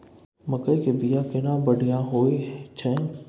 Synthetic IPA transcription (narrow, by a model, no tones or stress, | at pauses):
mɐkəjkebijakɪnabɐɽ̤ijaɦoːet͡ʃʰɛ̃